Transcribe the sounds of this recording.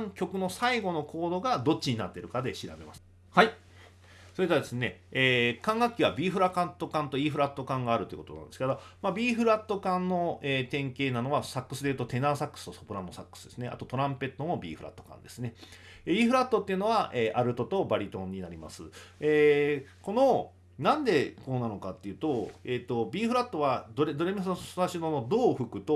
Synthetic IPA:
ŋkʲo̞kɯ̟no̞saiɡo̞no̞kʰo̞ːd̪o̞ɡad̪o̞t͡ɕːiɲ̟inat̪ːe̞ɾɯ̟kad̪e̞ɕiɾabe̞masɨ̥ | hai | so̞ɾeit̪k̪eaad̪e̞sɨne̞eːkãŋɡakʲːiβabʲiːɸɯɾakãnt̪o̞kãnt̪o̞iːɸɯ̟ɾat̪ːo̞kãŋɡaːɾɯ̟t̪oji̟ko̞t̪onã̰nd̪esɨ̥kad̪amabʲiːɸɯ̟ɾat̪ːo̞kãnːo̞eːt̪ẽ̞ŋke̞ːnano̞βasakːɯ̟sɨd̪e̞iɯ̟t̪o̞t̪e̞naːsakːɯ̥sɨ̥t̪o̞sopɯ̟ɾanːosakːɯ̥sɨ̥d̪e̞sɨne̞ʔa̰t̪o̞t̪o̞ɾãmpe̞t̪ːomo̞bʲḭːɸɯ̟ɾʔa̰t̪ːo̞̥kã̰nd̪e̞sɨne̞ | eiːɸɯ̟ɾat̪ːo̞t̪ːeiɯ̟no̞βaʔeːʔaɾɯ̟t̪o̞t̪o̞baɾʲit̪õ̞ɲ̟ːinaɾʲima̰sɨeːko̞no̞ | nãnd̪e̞ko̞ːnano̞kat̪ːe̞jiɯ̟ːt̪o̞eːt̪ːo̞bʲiːɸɯ̟ɾat̪ːo̞βad̪o̞ɾed̪o̞ɾe̞misnaɕinonod̪o̞ːɸɯ̟kɯ̟t̪o

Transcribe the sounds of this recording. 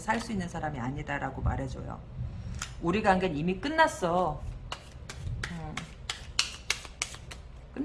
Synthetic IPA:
sʰaɭs͈uinːɯnsʰaɾamiaɲidaɾaɡoma̰ɾɦed͡ʑo̰jo̰ | uɾiɡaːnɡenimik͈ɯnːas͈ʌ | ɯ | k͈ɯ

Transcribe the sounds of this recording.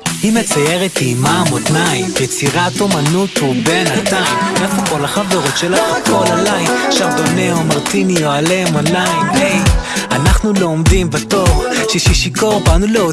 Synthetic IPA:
hime̞t͡sajeʁet̪iːmamot̪naimjet͡siʁat̪omanut̪hube̞nat̪aimʁafukolaχavd̪oʁot̪ʃelaχakolalajʃaʁdoneomaʁt̪inijoalemonajmeanaχnuloːmd̪imbat̪oχʃeʃiʃiko̞ʁbanuleo

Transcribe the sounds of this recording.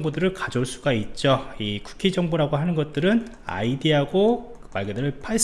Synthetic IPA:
ŋbodɯɾɯɭkad͡ʑoɭs͈uɡait̚t͡ɕ͈oiku̥kʰid͡ʑʌŋboɾaɡoɦanɯnɡʌt̚t͈ɯɾɯn | a̰idiɦaɡokɯmaɭɡʌdɯɾɯɭpʰa

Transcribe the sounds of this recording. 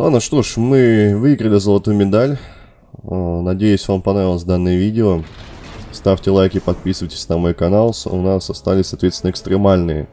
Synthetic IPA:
anɐʂt̪o̞ʂmɨvɨɪɡɾəlʲɪzəlˠɐt̪ujʊmʲɪd̪alʲ | nɐdʲejʉsʲvampɐnɾavʲɪlˠəsʲd̪anːɨjəvʲidʲɪo | st̪afʲtʲɪlˠajkʲɪpɐt̪̚pʲisɨvəjtʲɪ̥sʲnɐmojkɐnalˠsʊnasɐst̪alʲɪsʲsɐt̪vʲesʲnəɪkst̪ɾʲɪmalʲnɨjə̰

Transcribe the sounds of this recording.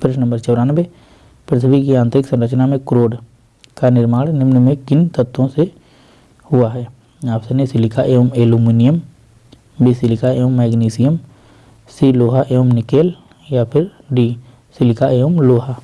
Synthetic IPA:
pʰɾɪʃnə̃mbəɾt͡ʃɐʊɾaːnʋe | pɾət̪ʰəbikiãːnt̪ɾɪksə̃mɾət͡ʃnamẽkɾoːɽ | kanɪɾmaːɽnɪmnmẽkɪnt̪ət̪ːõse | hʊaɦɛː | aːpsenesɪlɪkaʔeːəmeːluːmiːnijəm | bisɪlɪkaeːəmːɛːɡniːsɪjəm | siːloːɦaʔeːəmnɪkeːl | japʰɪɾ | ɖiː | sɪlɪkaʔeːəmloːɦaː

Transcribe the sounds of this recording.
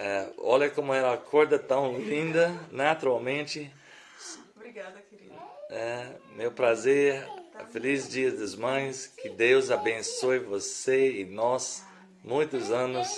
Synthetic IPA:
ɛɔ̰lɐkõmʊɛlɐakʰɔɾd̪ɐt̪ɐ̃w̃lĩnd̪ɐnat̪uɾawmẽnt͡ʃɪ | bɾɡad̪ | ɛmewpɾazeɾfelizd͡ʒiɐzd̪ɐzmɐ̃j̃skɪd̪ewzabẽsojvoseɪnɔs | mũj̃t̪ʊzɐ̃nʊs

